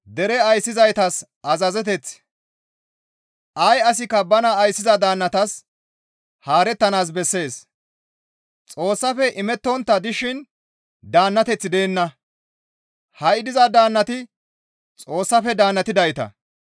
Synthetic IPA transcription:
d̪ɛɾɛɐjsːɪzɐjt̪ɐs | ɐzɐzɛt̪ɛt͡s | ʔɐjɐs̬ɪkːɐbɐnɐːjsːɪzɐd̪aːnːɐt̪ɐs | haːɾɛt̪ːɐnaːs̬bɛsːe̞ːs | t͡sʼo̞ːsːɐfɛʔɪmɛt̪ːɔnt̪ːɐd̪ɪʃɪn | d̪aːnːɐt̪ɛt͡sːɪd̪e̞ːnːɐ | hɐɪd̪ɪzɐd̪aːnːɐt̪ɪ | t͡sʼo̞ːsːɐfɛd̪aːnːɐt̪ɪd̪ɐjt̪ɐ̰

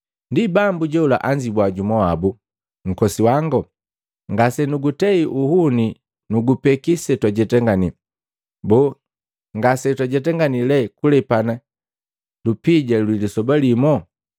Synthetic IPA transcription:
ndibambuɟɛula̰ʔaɲd͡ʒibwaɟumɔabu | ŋ̩kɔsiwaŋɡɔ | ŋɡasɛnuɡutɛiʔuhuni | nuɡupɛkisɛtwaɟɛtɛŋɡani | bɔ | ŋɡasɛtwaɟɛtɛŋɡanilɛkulɛpana | lupiɟalwilisɔbalimɔ

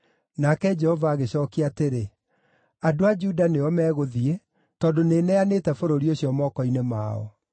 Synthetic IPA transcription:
nakɛd͡ʒɛhɔvaːɣeɕɔːkiateɾe | adoad͡ʒudaneɔmɛːɣoðie | tɔːdoneːnɛaneːtɛfoɾoɾioɕiɔmɔkɔinema̰ɔ̰

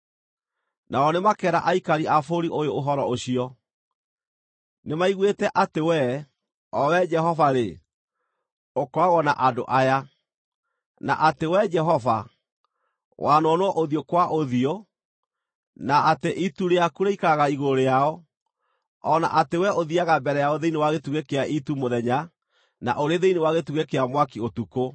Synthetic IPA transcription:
naɔnemakɛɾa̰ʔaikaɾiʔafoɾiʔojooɦɔɾɔoɕiɔ | nemaiɣwetɛʔatewɛ | ɔwɛd͡ʒɛɦɔvaɾe | okɔaɣɔna̰ʔado̰ʔaja | na̰ʔatewɛd͡ʒɛɦɔva | wʔanɔnoɔʔoðiokwaʔoðio | naʔateʔituɾeakuɾeikaɣaiɣoɾeaɔ | ɔna̰ʔatewɛoðiaɣabɛɾɛjaoðeinewaɣetuɣekeaʔitumoðɛɲa | na̰ʔoɾeðeinewaɣetuɣekeamwakiotuko

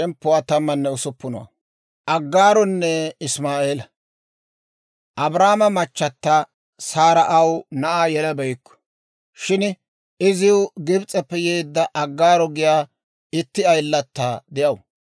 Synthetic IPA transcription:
ɛmpːʊwat̪ɐmːɐnːɛʊsʊpːʊnɔ̰wɐ̰ | ʔɐɡːaːɾɔnːɛɪsmaːʔeːlɐ | ʔɐbɾaːmɐmɐt͡ʃːɐt̪ːɐ | saːɾɐʔɐwnɐʔaːjɛlɐbɛjkːɔ̥ | ʃɪn | ɪzɪwʊɡɪbt͡sʼɛpːɛjeːd̪ːɐʔɐɡːaːɾɔɡɪjaː | ɪt̪ːɪɐjlːɐt̪ːad̪ɛjɐw

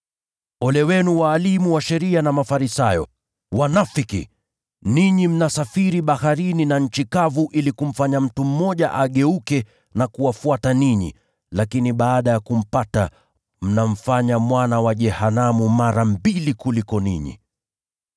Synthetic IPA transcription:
ɔlɛwɛnuwaːlimuwaʃɛɾianamafaɾisajɔ̰ | wanafikḭ | niɲim̩nasafiɾiɓahaɾininaɲ̩t͡ʃikavuʔilikum̩faɲam̩tum̩mːɔʄaʔaɠɛukɛ | nakuwafuataniɲḭ | lakiniɓaːɗajakum̩pata̰ | m̩nam̩faɲamwanawaʄɛhanamumaɾam̩bilikulikɔniɲḭ

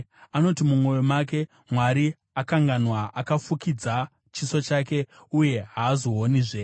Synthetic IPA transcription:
ano̞timumwo̞jomak̬e̞ | mwaɾi | akaŋɡanwaʔakafukid͡za | t͡ʃisot͡ʃaːke̞uje̞ɦaːzo̞ɦoniʐe

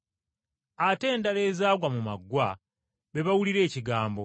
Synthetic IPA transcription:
ate̞ːndale̞ːzaːɡwamumaɡːwa | βe̞βawuliɾe̞ːciɡaːmbo̞

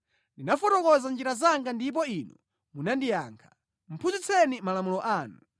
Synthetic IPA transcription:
ndinafɔtɔkɔzand͡ʒiɾazaŋɡandip̬ɔinu | munandija̰ːŋkʰḁ | m̩pʰuzit͡sʰɛnimalamulɔʔaːnu

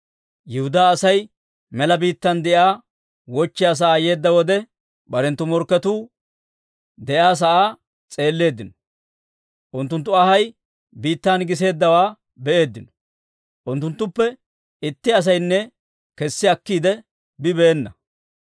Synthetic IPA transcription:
jɪhʊd̪aːsɐj | mɛlɐbiːt̪ːɐnd̪ɛʔaː | wɔt͡ʃːɪjaːs̬ɐʔaːje̞ːd̪ːɐwɔd̪ɛ | bɐɾɛnt̪ːʊmɔɾkːɐt̪uː | d̪ɛʔaːs̬ɐʔaː | t͡sʼe̞ːlːe̞ːd̪ːɪnɔ̥ | ʔʊnt̪ːʊnt̪̬ːʊɐhɐj | biːt̪ːaːnɡɪs̬e̞ːd̪ːɐwaː | bɛʔe̞ːd̪ːɪnɔ̥ | ʔʊnt̪ːʊnt̪ːʊpːɛ | ɪt̪ːɪɐs̬ɐjnːɛ | kɛsːɪɐkːiːd̪ɛ | bɪbɛːnːɐ

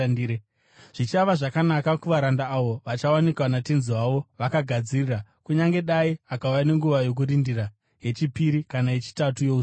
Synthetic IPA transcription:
e | ʐ̥it͡ʃaʋaʐakanakakuʋaɾandaːʋo̞ʋat͡ʃawanikwanatenziwaʋo̞ʋakaɡʱad͡zirirakuɲaŋɡe̞ɗaiakaujane̞ŋɡuʋajo̞k̬uɾindira | ɦe̞t͡ʃipiɾikanae̞t͡ʃi̥tatujo̞u

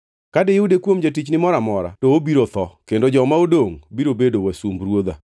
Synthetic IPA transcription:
kadeudekwomd͡ʒatit͡ʃnɪmɔɾamɔɾa̰toobiɾot̪ɔkendod͡ʒɔmaodoŋbiɾobedowasumbɾwod̪a̰

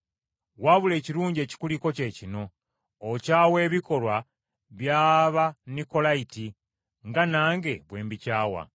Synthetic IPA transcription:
waβule̞ːciɾuːɲɟe̞ːci̥kuliko̞ce̞ːcino̞ː | caːwe̞ːβiko̞lwa | βjaːβaniko̞laiti | ŋɡanaːŋɡe̞βwe̞ːmbicaːwa̰

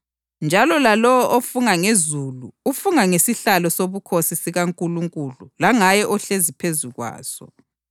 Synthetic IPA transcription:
nd͡ʒʱalɔlalɔwɔʔofuŋaŋezuluufuŋaŋesiɬalɔsoβukʰosisiɣaŋkʼuluŋkʼululaŋajɛʔɔɬezipʰezuɣwa̰ːz̥ɔ̰

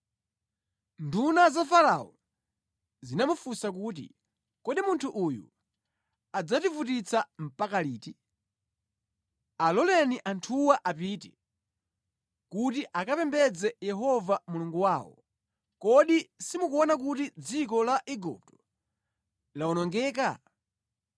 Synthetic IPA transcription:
ndunazafaɾa̰ɔ | zinamufusak̬uːt̬ḭ | kɔɗimuntʰuʔujṵ | ad͡zativutit͡sʰam̩pakaliːti | alɔlɛniʔantʰuwaʔapiːtɛ | kutiʔakapɛmbɛd͡zɛjɛɦɔvamuluŋɡuwaːwɔ̰ | kɔɗisimukuɔnak̬utid͡zikɔlaʔɛɡṵp̚tɔ̥ | laɔnɔŋɡɛːka

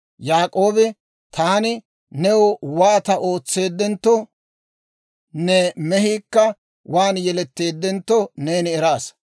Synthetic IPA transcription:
jaːkʼo̞ːbɪ | t̪ʰaːnɪ | nɛwʊwaːt̪ɐʔo̞ːt͡sːe̞ːd̪ːɛnt̪ːɔ | nɛmɛhiːkːɐ | wʔaːnjɛlɛt̪ːe̞ːd̪ːɛnt̪ːɔne̞ːnɪɛɾaːs

